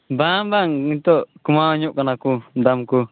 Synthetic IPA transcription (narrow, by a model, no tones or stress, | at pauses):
bambaŋit̪ɔʔkumaɔɲuʔkanakudamku